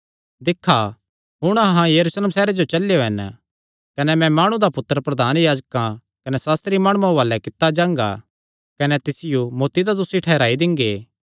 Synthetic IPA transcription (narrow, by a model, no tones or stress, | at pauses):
d̪ɪkʰːa | ɦʊɽ̃ɐɦãjɐɾusleːmsɛːɾed͡ʒot͡ʃɐlejoɦɛn | kɐnɛmɛ̃maːɽ̃ũd̪apʊt̪ːəɾəpɾɐd̪ʱaːnjaːd͡ʒkã | kɐnɛsaːst̪ɾimaːɽ̃umãʋaːlɛkɪt̪ːad͡ʒãːŋ̆ɡa̰ | kɐnɛt̪ɪsɪjumoːt̪id̪ad̪ʊsiʈʰɛːɾaːid̪ɪ̃ŋɡeː